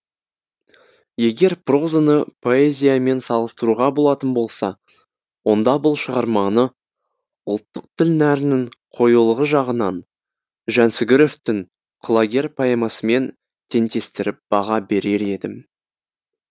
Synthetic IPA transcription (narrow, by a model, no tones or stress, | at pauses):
je̞ɡʲe̞ɾpro̞zanəpʰo̞e̞zʲijame̞nsɑlˠəst̪əɾuʁɑbo̞lˠɑt̪ənbo̞lˠsɑ | wo̞nd̪ɑbʊlˠʃəʁɑɾmɑnə | ʊlˠt̪ːəq̚t̪ʰɪlnæɾɪnɪŋqʰo̞julˠəʁəʒɑʁənɑn | ʒænsɪɡʲɪɾo̞ft̪ɪŋ | qʰlˠaɡʲe̞rpʰoemɑsəme̞n | t̪ʰe̞nt̪e̞st̪ɪɾɪp̚b̥ɑʁɑbe̞ɾe̞ɾe̞d̪ɪm